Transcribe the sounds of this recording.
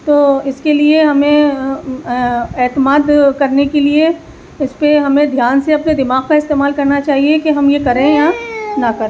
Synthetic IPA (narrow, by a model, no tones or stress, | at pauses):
t̪oːɪskelieɦɐmẽ | ɛːt̪əmaːd̪kɐɾnekelie | ɪspeɦɐmẽd̪ʱjaːnseɐpned̪ɪmaːɡkaɪst̪eːmaːlkɐɾnat͡ʃaːɦiekeɦɐmjekɐɾẽjanɐkɐɾẽ